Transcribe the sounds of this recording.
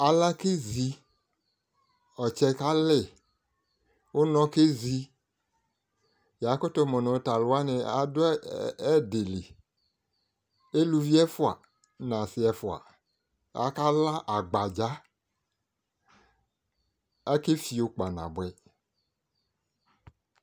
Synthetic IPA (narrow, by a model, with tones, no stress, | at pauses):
a˨la˦ke˦zi˦ | ɔ˨t͡ʃɛ˦ka˦lɛ˦˨ | wo˦nɔ̃˦ke˦zi˦ | ja˨˦ko˦t̪o˦mɔ̃˨nɔ̃˨o˦ta˨lo˨˦a˦nɛ˨a̰˨do˦ɛ˦de˨le˨ | e˦lu˨vi˦ɛ˦fo˦a̰˨ | nã˨si˨ɛ˨fo˨a̰˨ | a̰˨ka˦la˦ʔa˨ɡ͡ba˨d͡ʒa˦ | a˦ke˦fi˨o˨k͡pa˨nã̰˨bɛ˨